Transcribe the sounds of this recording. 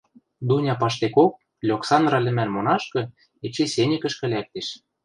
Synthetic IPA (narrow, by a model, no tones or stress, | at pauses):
d̪unʲɑpɑʃt̪ekok̚ | lʲoksɑnd̪rɑlʲɘ̆mænmonɑʃkɤ̆ | et͡ɕesenʲɘ̆kə̆ʃkɘ̆lʲæk̚t̪eʃ